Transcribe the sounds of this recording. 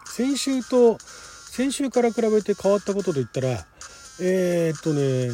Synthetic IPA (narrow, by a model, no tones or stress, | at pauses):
sẽ̞ɰ̃ɕɨːt̪o̞sẽ̞ɰ̃ɕɨːkaɾakɯ̟ɾaβe̞t̪e̞kaβ̞at̪ːako̞t̪o̞t̪̬o̞it̪ːaɾa | eːt̪ːo̞ne̞